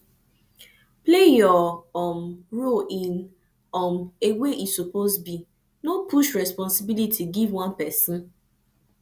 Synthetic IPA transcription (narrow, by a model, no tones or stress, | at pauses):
plejɔɔmɹoʔĩn | ɔmeweʔisupozbi | nopuʃɹɛspɔ̃nsibilitʰiɡivwãnpɛsĩn